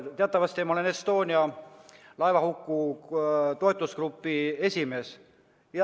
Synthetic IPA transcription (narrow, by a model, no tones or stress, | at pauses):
t̪eɑt̪ːˑɑvɑst̪imɑolenest̪o̞ːnʲiɑ | lɑevɑhukːu | t̪o̞t̪ːˑuskrupːie̞sʲime̞s | jɑ